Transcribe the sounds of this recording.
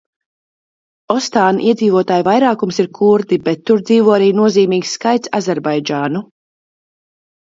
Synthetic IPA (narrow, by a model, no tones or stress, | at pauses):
ɔst̪aːnʔiɛziːvuɔt̪aːjvajɾaːkumsiɾkʰuɾd̪ibɛt̪ːuɾd̪ziːvuɔaɾiːnuɔziːmiːɡsːkajt̪sa̰zʲɛɾbajd͡ʒaːnu